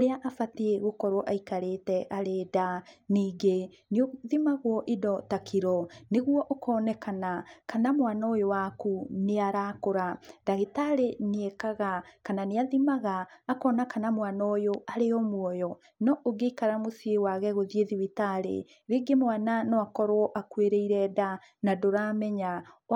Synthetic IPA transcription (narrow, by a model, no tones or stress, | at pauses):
oɾeaʔafateeɣokɔɾoʔaikaɾetɛʔaɾeːdaniːɡe | neoðimaɣwɔʔedɔtakʰiɾɔneɣwɔʔokʰɔːnɛkanakanamwanaojowakuneaɾakoɾadaɣetaɾeneekaɣakananeaðimaɣaːkɔːnakanamwanɔjoaɾeɔmwɔjɔ | nɔʔoɡeikaɾamosiewaɣɛɣoðieðiwitaɾḛ | ɾeːɡemwananɔakɔɾoɔʔakweɾeiɾɛda | nadoɾamɛɲa